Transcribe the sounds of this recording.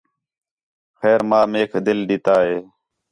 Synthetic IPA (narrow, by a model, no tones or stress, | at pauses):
xɛːɾmãːmeːkd̪ɪlɗɪt̪aːɦeː